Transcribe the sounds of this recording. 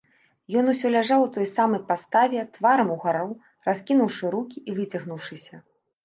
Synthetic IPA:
jɔn̪usʲɔlʲaʐawut̪ɔjsamɐjpast̪avʲɛt̪vaɾɐmuɣaɾɔw | raskʲinuwʂɨɾukʲiʔivɨt͡sʲɐɣnuwʂɨsʲɐ

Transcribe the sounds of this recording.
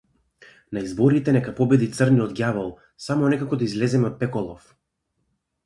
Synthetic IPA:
naizbɔɾit̪ɛnɛkapɔbɛd̪it̪sərniɔd̪ɡʲjavɔlˠ | samɔnɛkakɔd̪aizlɛzɛmɛɔt̪̚pɛkɔlˠɔf

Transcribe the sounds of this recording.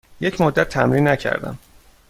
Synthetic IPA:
jecʰmod̪ːæt̪ʰːæmɾiːnːæcʰæ̰ɾd̪æ̰m

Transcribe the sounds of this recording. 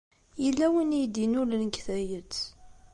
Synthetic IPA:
jəlːæwənijd̪inulənkθæjət͡sː

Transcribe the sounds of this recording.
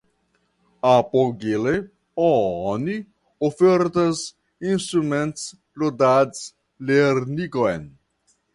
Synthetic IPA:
apoɡele | ɔɔni | ofeɾt̪ɐz | inst̪ɾumẽnt̪s | lod̪ad̪s | leɾnikoḛn

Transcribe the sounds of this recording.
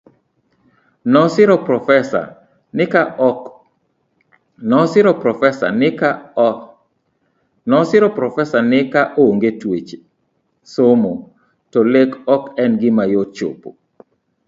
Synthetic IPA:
nɔsɪɾɔpɔfɛa̰ | ka | nɔsɪɾɔpɾɔfɛsa̰na | nɔsɪɾɔpɾɔfɛsanɪkaʔooŋɡetwet͡ʃe̥ | somo | tɔlekɔkɛnɡɪmajot͡ʃo̰po̰

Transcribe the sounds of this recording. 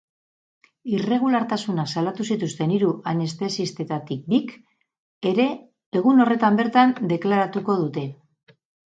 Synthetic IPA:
ire̞ɣ̞ulaɾt̪asunasalat̪usit̪ust̪e̞niɾuʔane̞st̪e̞sist̪e̞t̪at̪ik̚d̪ik | e̞ɾe̞ː | ɣuno̞re̞t̪ambe̞ɾt̪and̪e̞klaɾat̪uko̞ðut̪e̞

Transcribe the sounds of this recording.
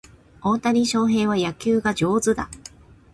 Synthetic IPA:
õnt̪aɲ̟ʲiɕo̞ːɦe̞ːβ̞ajakʲɨːɡad͡ʑo̞ːzɨd̪a̰

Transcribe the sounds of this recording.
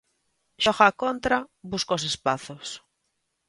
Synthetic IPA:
ʃɔxakont̪ɾaβuskosespaθos

